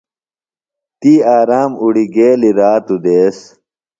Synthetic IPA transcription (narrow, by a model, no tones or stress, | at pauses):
t̪iːaːɾaːmuɽiɡeːliɾaːt̪ud̪eːs